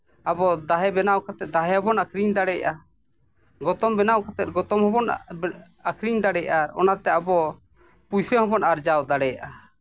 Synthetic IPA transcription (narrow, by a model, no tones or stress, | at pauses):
abɔd̪aɦɛbɛnawkʰat̪ɛt̪̚d̪aɦɛɔbɔnakʰɾiɲd̪aɽɛjʔa | ɡɔt̪ɔmbɛnawkʰat̪ɛt̪̚ˀɡɔt̪ɔmhɔbɔn | akʰɾiɲd̪aɽɛjʔaɾɔ̰nat̪ɛabɔ | pujsɛhɔbɔnaɾd͡ʒawd̪aɽɛjaʔa